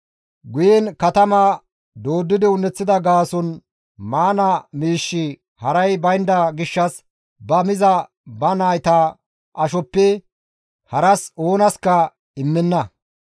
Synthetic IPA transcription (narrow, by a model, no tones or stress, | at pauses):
ɡʊjɛnkɐt̪ɐmɐ | d̪oːd̪ːɪd̪ɪʊnːɛt͡sːɪd̪ɐɡaːsɔn | maːnɐmiːʃːɪ | hɐɾɐjbɐjnd̪ɐɡɪʃːɐs | bɐmɪzɐ | bɐnaːjt̪a | ʔɐʃɔpːɛ | hɐɾɐso̞ːnɐskɐ | ɪmːɛnːɐ